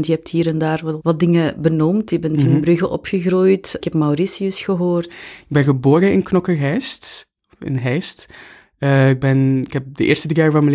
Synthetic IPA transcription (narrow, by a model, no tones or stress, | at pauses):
ntjəɛp̚thiːɾɛndaːrʋɑʋɑt̚dɪŋəbənɔmtjəbɛntənbrɵɣəʔɔpxəɣruːjtkɛpmawɾisiəsxəɦoːrtɪɡ̚bɛnɣəboːɾənɪnknɔkəɦɛjst | ɪ̰nɦɛjstː | ɪɡ̚bɛnɪkhɛp̚dəʔḛːɹrstədriːaːɹvɑnməl